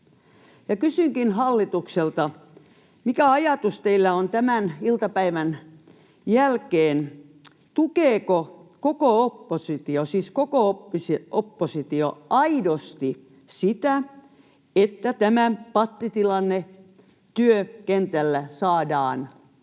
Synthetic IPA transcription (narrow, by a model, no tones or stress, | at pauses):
jɑkysyŋkinhɑlːit̪ukselt̪ɑ | mikæɑjɑt̪ust̪eilːæont̪æmænilt̪ɑpæiʋæn | jælkeːn | t̪ukeːkokokoopːosit̪iosiːskokooisiopːosit̪ioɑidost̪i | sit̪æ | et̪ːæt̪æmæpɑt̪ːit̪ilɑnːe | t̪yøkent̪ælːæsɑːdɑːn